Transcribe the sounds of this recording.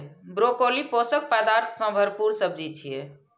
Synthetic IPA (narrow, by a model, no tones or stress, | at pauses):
bɾokoliposək̚pəd̪aɾt̪ʰsə̃bʱəɾpuɾsəbd͡ʒit͡ʃʰije